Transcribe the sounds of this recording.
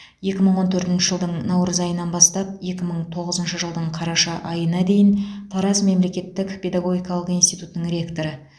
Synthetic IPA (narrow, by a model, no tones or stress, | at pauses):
je̞kʲɪməɴwo̞nt̪ʰɵɾt̪ɪnʃɪ̥ʒəlˠd̪əɴnɑwɾəzɑjənɑnbɑst̪ɑp̚je̞kʲɪməɴt̪ʰo̞ʁəzənʃəʒəlˠd̪əɴqʰɑɾɑʃɑʔɑjənɑd̪e̞jɪnt̪ʰɑɾɑsme̞mle̞kʲe̞t̪ːɪkpʰʲe̞d̪ɑɡo̞ɡʲijkɑlˠəqinst̪ijt̪ut̪ənəŋrʲe̞kt̪o̞ɾə